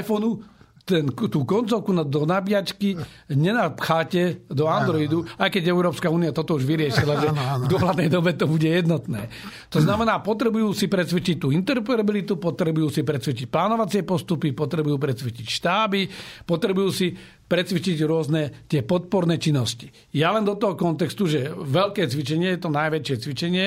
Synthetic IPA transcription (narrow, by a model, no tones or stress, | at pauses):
jfɔnu | t̪ɛnt̪uːkɔnt͡sɔʊkunad̪ɔnabɪat͡ʃkiɲɛnapxaːcɛd̪ɔand̪ɾɔid̪uajkɛɟɛʊɾɔːpskauːniat̪ɔt̪ɔuʒʋiɾɪɛʃilaʒɛvd̪ʊɔɦlad̪nɛjd̪ɔbɛt̪ɔbuɟɛjɛd̪nɔt̪nɛ̰ː | t̪ɔznamɛnaːpɔt̪ɾɛbujuːsipɾɛt͡sʋɛt͡ʃic̚t̪ːuːint̪ɛɾɔpɛɾabilit̪upɔt̪ɾɛbujuːsipɾɛt͡sʋɛt͡ʃic̚plaːnɔʋat͡sɪɛpɔst̪upipɔt̪ɾɛbujuːpɾɛt͡sʋit͡ʃicʃt̪aːbipɔt̪ɾɛbujuːsi | pɾɛt͡sʋit͡ʃiɟɾʊɔznɛt̪ɪɛpɔt̪̚pɔɾnɛːt͡ʃinːɔsci̥ | jalɛnd̪ɔt̪ɔɦɔkɔnt̪ɛkst̪uʒɛʋɛʎkɛːt͡sʋit͡ʃɛɲɪɛjɛt̪ɔnajʋɛt͡ʃɪɛt͡sʋit͡ʃɛɲɪɛ